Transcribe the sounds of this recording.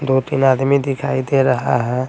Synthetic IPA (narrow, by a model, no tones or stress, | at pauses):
d̪ot̪inaːd̪mid̪ɪkʰaːid̪eɾəɦa̰ɦɛ̃